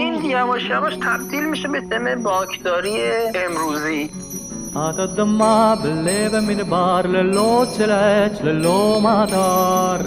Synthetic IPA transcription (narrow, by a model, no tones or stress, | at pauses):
injæmɔʃjavɔʃt̪ʰæb̚t̪iːlmiʃebesemebɔːkʰd̪ɔːɾieemɾuːzi | aːt̪ɐd̪ɐmːabəlːebeminbaːɾleloːt͡ʃʰelɛt͡ʃʰleloːmat̪aɾ